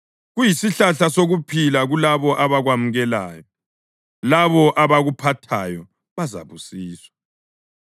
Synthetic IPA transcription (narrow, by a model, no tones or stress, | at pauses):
ɣujisiɬaɬasoɣupʰilaɣulaβɔʔaβaɣwamuɣɛla̰ːjɔ | laβɔʔaβaɣupʰatʰajɔ | βaza̰βusiːswḁ